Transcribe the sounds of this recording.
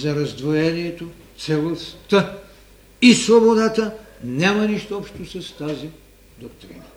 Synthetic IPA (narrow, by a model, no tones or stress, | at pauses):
zɐɾɐzd̪vojɛniɛt̪o | t̪sɛlˠost̪ə | isvobod̪at̪ənʲamɐniʃt̪oɔpʃt̪osɐst̪azi | d̪okt̪ɾḭnə